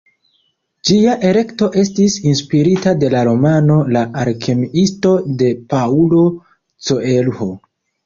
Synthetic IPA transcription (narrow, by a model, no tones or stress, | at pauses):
d͡ʒiaʔe̞le̞kto̞ʔe̞stisinspiɾitade̞laɾo̞mano̞laʔaɾkʰe̞miʔisto̞de̞paulo̞ | t͡so̞e̞lho